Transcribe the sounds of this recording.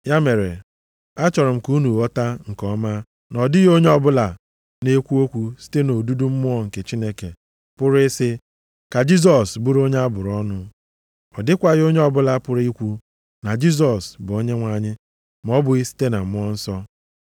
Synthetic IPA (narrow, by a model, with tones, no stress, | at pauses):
ja˦me˨ɾe˨ | a˦t͡ʃɔ˨ɾʊ˨m̩˨ku˦nu˨ɔ˦ta˦ŋ̩˨kɔ˦ma˦ | nɔ˨dɪ˦ɣo˦ɲe˦ɔ˦bʊ˦la˨ | ne˦kʷu˦o˦kʷu˦si̥˦te˦no˨du˦du˦m̩˦mʊ˦ɔ˦ŋ̩˨ke˨t͡ʃi˦ne˦ke˨ | pʊ˦ɾɪ˦sɪ˦ | ka˨d͡ʒi˦z̬ɔ˨sbu˦ɾo˦ɲe˦a˦bʊ˨ɾɔ˦nʊ˦ | ɔ˨dɪ˦kʷa˦ɣo˦ɲe˦ɔ˨bʊ˦la˦pʊ˦ɾi˦kʷu˦ | na˨d͡ʒi˦z̬ɔ˨sbʊ˨o˦ɲe˦ŋʷa˨ɲɪ˦ | m˨ɔ˦bʊ˨ɣi˦si̥˦te˦na˨m̩˦m˦ɔ˦n̩˦sɔ˦